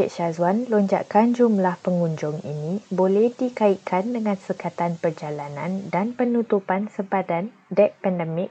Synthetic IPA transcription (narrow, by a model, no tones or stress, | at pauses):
ɪʔʃazwanloɲd͡ʒa̰ʔkand͡ʒumlahpəŋũɲd͡ʒʊŋḭnĩbolɛhdikaiʔkʰandəŋãnsəkat̪anpərd͡ʒalanã̰ndanpənũt̪upansəbadan | dɛʔ̚pɛndəmɪk̚